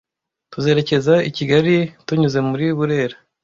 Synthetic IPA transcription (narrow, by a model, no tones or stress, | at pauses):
tuze̞ːɾe̞ce̞zaiciɡaɾituɲuze̞muɾiβuɾe̞ːɾa